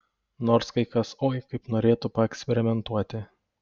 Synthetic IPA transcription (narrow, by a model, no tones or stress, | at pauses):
noːɾskɐɪkɐsoːjkɐɪpnoːɾʲeːt̪ʊpɐɛksʲpʲɛɾʲɪmʲɛnt̪uɔt̪ʲɪ